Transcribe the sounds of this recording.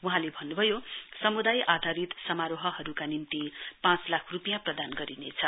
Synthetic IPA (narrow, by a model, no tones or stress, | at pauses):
wuɦãlebʱʌnːubʱʌjosʌmud̪ajʔad̪ʱaɾit̪sʌmaɾoɦʌɦʌɾukanimt̪ipãt͡slakʰrupijãprʌd̪anɡʌɾinet͡sʰʌ